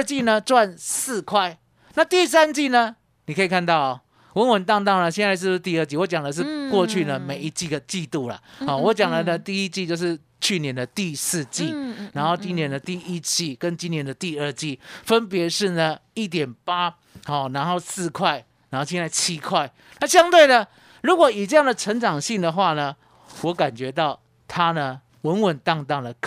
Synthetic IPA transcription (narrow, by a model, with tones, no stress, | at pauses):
t͡ɕi˥˨nə˨t͡swa˥˨nsɹ̩˥˧kʰwa˥˩ɪ | na˥˧t̪i˥˨s̬a˦˥nt͡ɕi˥˩nə˨ | ni˨˩kʰə˦˥i˨˩kʰa˥˧nt̪ɑ˥˩ʊa˨ | wə˧˦nwə˨nt̪ɑ˥˧ŋt̪ɑ˥˩ʊnə˩ɕjɛ˥˧nt͡sa˥˧ɪʂ̬ɻ̩˥˧˥t̪i˥˧ə˥˧t͡ɕi˥˩wɔ˧˦t͡ɕja˨˩ŋd̪ə˩˦ʂ̬ɻ̩˥˩˧kwɔ˥˧t͡ɕʰy˥˩nə˩me˨˩ɪi˧˥t͡ɕi˥˩ɡə˩t͡ɕi˥˧t̪u˥˩lɐ̰˨˩xɔ˥˨wɔ˧˦t͡ɕja˨˩ŋd̪ə˨˩nə˦t̪i˥i˦t͡ɕi˥˧t͡ɕjo˥˧ʊʂɻ̩˥˨ | t͡ɕʰy˥˨njɛ˧˦nd̪ə˨t̪i˥˧sɹ̩˥˧t͡ɕi˥˩nna˧˥nxo˥˩ʊt͡ɕi˦njɛ˧˥nd̪ə˨t̪i˥˩i˦t͡ɕi˥˨kə˦nt͡ɕi˥njɛ˧˦nd̪ə˨t̪i˥˧ə˥˧t͡ɕi˥˩fə˦np̬jɛ˧˦ʂɻ̩˥˩nə˩i˥˩t̪̬jɛ˨˩npa˦˥ | hɔ˥˨˩na˧˦nxo˥˨ʊsɹ̩˥˧˨kʰwa˥˩ɪ | na˧˦nxo˥˩ʊɕʰɛ˥na˥˩ɪt͡ɕʰi˥kʰwa˥˩ɪ | na˥˩ɕjɑ˥ŋt̪we˥˩ɪnə˨ | lu˧˦˥kwɔ˨˩i˨ʈ͡ʂɤ˥˧ja˥˨ŋd̪ə˨˩ʈ͡ʂʰə˧˦˥ŋʈ͡ʂɑ˨˩ŋɕi˥˩ŋd̪ə˨xwa˥˩nə˩ | wɔ˨˦˥ka˨˩nt͡ɕɥɛ˧˦t̪ɑ˥˩ʊ | t̪ʰa˦nə˨ | wə˨˦nwə˨˩nt̪ɑ˥˧ŋt̪ɑ˥˩ŋd̪ə˩kʰ